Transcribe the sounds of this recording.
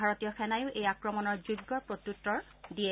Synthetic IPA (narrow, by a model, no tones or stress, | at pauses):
aɹotijɔxʰɛnajʊʔejakɹɔmɔnɔɹzuɡːɔɹpɹot̪utːɔɹ | diɛ